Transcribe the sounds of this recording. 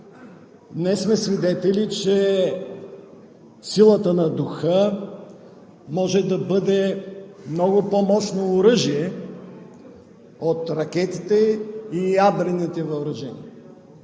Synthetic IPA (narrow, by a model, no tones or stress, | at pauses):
nɛsmɛsvid̪ɛt̪ɛlit͡ʃɛ | silˠət̪ənɐd̪uxə | mɔʒɛd̪ɐbɤd̪ɛmnɔɡʊpomɔʃnoːɾɤʒiɛ | ot̪ɾɐk̟ɛt̪it̪ɛijabɾɛnit̪ɛvɐʊɾɐʒɛnḭə